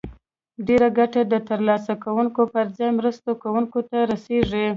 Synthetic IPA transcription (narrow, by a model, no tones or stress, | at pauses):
ɖeɾaɡaʈad̪ət̪əɾlɑsakawuŋkopəɾzɑjmɾəst̪okawuŋkot̪aɾaseʐi